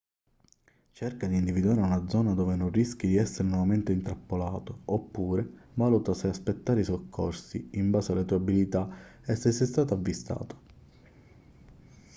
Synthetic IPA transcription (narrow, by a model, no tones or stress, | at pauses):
t͡ʃɛrkad̪iːnd̪ivid̪uaːɾeunad̪zɔːnad̪oːvenonrisk̟jid̪iɛsːeɾenwɔvament̪eint̪ɾapːolaːt̪oopːuːɾevaːlut̪aseaspet̪ːaːɾeisokʰːɔrsḭimbaːsealːet̪uːabilit̪aɛsːesːest̪aːt̪avːist̪a̰ːt̪o̥